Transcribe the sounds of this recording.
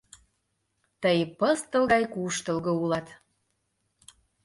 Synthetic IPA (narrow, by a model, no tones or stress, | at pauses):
t̪əjpəst̪ə̆lˠɣɑjkuʃt̪ə̆lɣə̆ulɑt̪